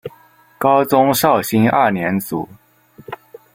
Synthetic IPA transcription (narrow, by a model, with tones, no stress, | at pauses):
kɑ˥ʊt͡sʊ˥ŋʂɑ˥˩ʊɕi˥ŋa̰˥˩njɛ˧˥nt͡sṵ˨˩˦